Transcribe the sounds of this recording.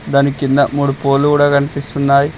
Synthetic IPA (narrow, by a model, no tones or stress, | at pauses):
d̪anikind̪ɐmuːɽupo̞ːlːukuːɽaːkɐnipist̪unːaːji